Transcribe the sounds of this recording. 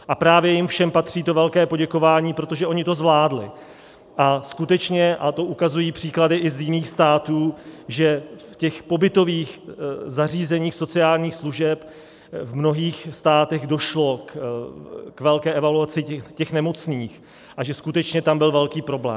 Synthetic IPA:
ʔapɾaːvjɛjɪmfʃɛmpat̪r̝̥iːt̪o̞vɛlkɛːpo̞ɟɛko̞vaːɲiːpɾo̞t̪o̞ʒɛʔo̞ɲɪt̪o̞zvlaːdlɪ̰ | ʔaskut̪ɛt͡ʃɲɛʔat̪o̞ʔukazujiːpr̥iːkladɪʔɪzjɪniːxst̪aːt̪uːʒɛfcɛxpo̞bɪt̪o̞viːxzariːzɛɲiːxso̞t͡sɪaːlɲiːxsluʒɛp | vmno̞ɦiːxst̪aːt̪ɛɣdo̞ʃlo̞k | kvɛlkɛːʔɛvaluat͡sɪɛcɛxnɛmo̞t͡sniːx | ʔaʒɛskut̪ɛt͡ʃɲɛt̪ambɪlvɛlkiːpɾo̞blɛ̰ː

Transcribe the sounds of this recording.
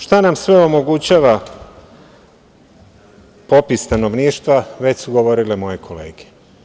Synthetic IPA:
ʃt̪anamsʋe̞o̞mo̞ɡut͡ɕaːʋa | po̞pist̪ano̞ʋniːʃt̪ʋaʋe̞t͡ɕsuɡo̞ʋo̞ɾilemo̞jekʰo̞le̞ːɡe

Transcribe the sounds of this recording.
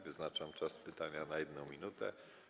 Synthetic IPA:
vɘznat͡ʂamt͡ʂaspɘt̪aɲanajɛd̪nɔ̃w̃mʲinut̪ɛ̰

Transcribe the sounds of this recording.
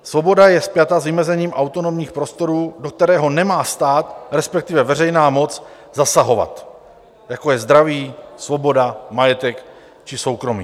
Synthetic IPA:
svo̞bo̞dajɛspjat̪azvɪmɛzɛɲiːmʔawt̪o̞no̞mɲiːxpɾo̞st̪o̞ɾuːdo̞k̚t̪ɛɾɛːɦo̞nɛmaːst̪aːt̪ɾɛspɛk̚t̪ɪvɛvɛrɛjnaːmo̞t͡s | zasaɦo̞va̰t̪ | jako̞jɛzd̪ɾaviːsvo̞bo̞damajɛt̪ɛk | t͡ʃɪso̞wkɾo̞mḭː

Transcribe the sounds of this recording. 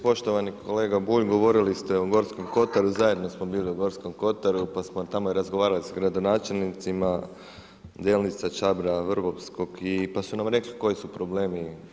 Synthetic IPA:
po̞ʃt̪o̞ʋanikʰo̞le̞ːɡabuːʎɡo̞ʋo̞ɾilist̪eoɡo̞ɾsko̞mko̞t̪aɾuzaje̞d̪no̞smo̞biːliuɡo̞ɾsko̞mko̞t̪aɾupasmot̪amojeɾazɡoʋaːɾalisaɡɾad̪o̞naːt͡ʃe̞lnit̪sima | d̪eːlnit̪sat͡ʃabɾaʋrʋopsko̞ɡipasunamɾe̞kliko̞jisupɾo̞ble̞ːmi

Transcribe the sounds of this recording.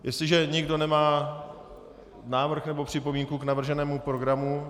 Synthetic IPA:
jɛst̪lɪʒɛɲɪɡdo̞nɛmaː | naːvr̩xnɛbo̞pr̝̥ɪpomiːŋkuknavr̩ʒɛnɛːmupɾo̞ɡɾamu

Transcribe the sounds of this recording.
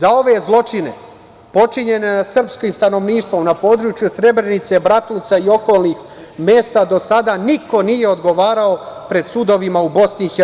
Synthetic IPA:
zao̞ʋe̞zlˠo̞t͡ʃine̞̰ | po̞t͡ʃiɲe̞nesr̩pskiːmst̪ano̞ʋniːʃt̪ʋo̞mnapo̞ːd̪ɾut͡ʃjusɾe̞bɾe̞nit̪se̞bɾat̪nuːt̪saio̞ko̞ːlˠnix | me̞ːst̪ad̪o̞sad̪aniko̞nije̞o̞d̪ɡo̞ʋaːɾao̞pɾe̞d̪sud̪o̞ʋimaubo̞sniixe

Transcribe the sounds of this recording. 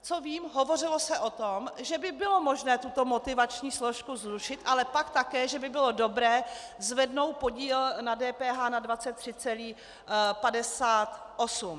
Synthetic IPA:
t͡soviːmɦo̞vo̞rɪlo̞sɛʔo̞t̪omʒɛbɪbɪlo̞mo̞ʒnɛːt̪ut̪o̞mo̞t̪ɪvat͡ʃɲiːslo̞ʃkuzɾuʃɪt̪ʔalɛpakt̪akɛːʒɛbɪbɪlo̞do̞bɾɛː | zvɛdno̞w̪̚po̞ɟiːlnadɛːpɛːɦaːnadvat͡sɛt̪ːr̥ɪt͡sɛliː | padɛsaːt̪ | ʔo̞sum

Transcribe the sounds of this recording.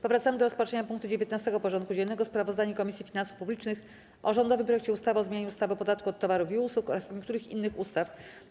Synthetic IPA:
pɔvɾat̪samɘd̪ɔɾɔspat͡ʂɛɲapuŋk̚t̪ud͡ʑevʲjet̪nast̪ɛɡɔpɔʐɔnt̪kud͡ʑɛlnɛɡɔspɾavɔzd̪aɲukɔmʲisʲjifʲinansu̥fpublʲit͡ʂnɘx | ʔɔʐɔnd̪ɔvɘmp̬ɾɔjɛkt͡ɕɛust̪avɔzmʲjaɲuust̪avɨɔpɔd̪at̪kuɔt̪ːɔvaɾufiuswukɔ̰ɾasɲɛkt̪uɾɘxḭnːɘxust̪af

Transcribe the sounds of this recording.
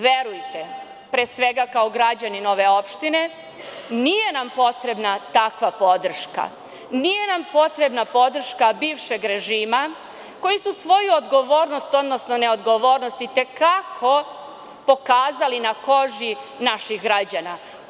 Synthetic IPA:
ʋeɾujt̪e | pɾeːsʋe̞ɡakao̞ɡɾad͡ʑanino̞ʋe̞o̞pʃt̪ine̞ | nije̞nampo̞t̪ɾe̞bnat̪akʋapo̞d̪r̩ʃka̰ | nije̞nampo̞t̪ɾe̞bnapo̞d̪r̩ʃkabiːʋʃe̞ɡɾe̞ʒiːma | ko̞jisusʋo̞juod̪ɡo̞ʋo̞ːɾnost̪o̞d̪nosno̞ne̞o̞d̪ɡo̞ʋoːɾnost̪it̪e̞kakʰo̞ | po̞kaːzalinako̞ʒinaʃixɡɾad͡ʑana

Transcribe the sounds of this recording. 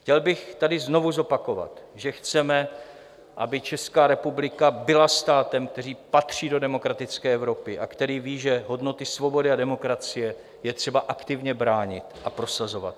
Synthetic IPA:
xcɛlbɪxt̪adɪzno̞vuzo̞pako̞va̰t̪ʒɛxt͡sɛmɛ | ʔabɪt͡ʃɛskaːɾɛpublɪkabɪlast̪aːt̪ɛmkt̪ɛriːpat̪r̝̥iːdo̞dɛmo̞kɾat̪ɪt͡skɛːɛvɾo̞pɪʔa̰kt̪ɛɾiːviːʒɛɦo̞dno̞t̪ɪsvobo̞dɪadɛmo̞kɾat͡sɪjɛ | jɛt̪r̝̥ɛbaʔakt̪ɪvɲɛbɾaːɲɪt̪ʔapɾo̞sazo̞va̰t̪̚

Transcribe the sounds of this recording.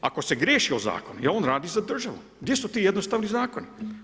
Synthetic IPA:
a̰ko̞se̞ɡɾʲjeːʃioza̰ːko̞nujaoːnɾaːd̪iːzad̪r̩ʒaʋṵ | ɡd̪jesut̪iːjed̪nost̪aːʋnizaːkoni

